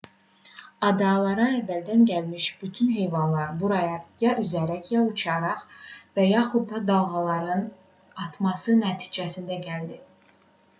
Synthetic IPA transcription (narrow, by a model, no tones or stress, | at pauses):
ɑd̪ɑlˠɑɾɑævːæld̪ænɟælmiʃb̥yt̪ʰynɦe̞jvɑnlˠɑɾbuɾɑjɑjɑʔyzæɾæcjɑut͡ʃʰɑɾɑχvæjɑχud̪̚ːɑd̪ɑlˠɣɑlˠɑɾɯn | ɑt̪ʰmɑsɯnæt̪ʰi̥ːd͡ʒæsind̪æɟæld̪i